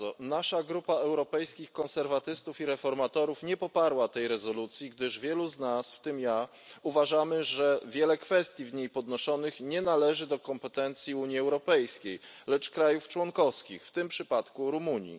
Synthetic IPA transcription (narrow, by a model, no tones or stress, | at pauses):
ɔnaʂaɡɾupaɛwɾɔpɛjskʲixkɔ̃nsɛɾvat̪ɘst̪ufiɾɛfɔɾmat̪ɔɾufɲɛpɔpaɾwat̪ɛjɾɛzɔlut̪sʲjiɡd̪ɘʐvʲjɛluznasft̪ɘmja | uvaʐamɘʐɛvʲjɛlɛkfɛst̪ʲjivɲejpɔd̪nɔʂɔnɘxɲɛnalɛʐɘd̪ɔkɔmpɛt̪ɛnt̪sʲjiuɲjiɛwɾɔpɛjskʲejlɛt͡ʂkɾajuft͡ʂwɔŋkɔfskʲixft̪ɘmpʂɘpat̪kuɾumuɲḭ